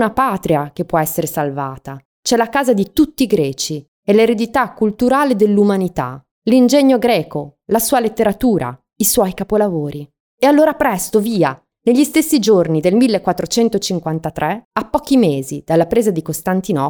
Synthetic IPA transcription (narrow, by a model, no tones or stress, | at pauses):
napaːt̪ɾiak̟epːwɔɛsːeɾesalvaːt̪a | t͡ʃɛlakaːzad̪it̪ut̪ːiɡɾɛːt͡ʃi | eleɾed̪it̪akːult̪uɾaːled̪elːumanit̪a̰ | lind͡ʒɛɲːoɡɾɛːkolasuːalet̪ːeɾat̪uːɾa̰ | iswɔjkapolavoːɾi | ealːoːɾapɾɛst̪oviːa | neʎːist̪esːid͡ʒornid̪elmilːekːwat̪ːɾot͡ʃɛnt̪ot͡ʃiŋkwant̪at̪ɾʔɛapːɔːk̟imeːzid̪̥alːapɾeːzad̪ikost̪ant̪inɔ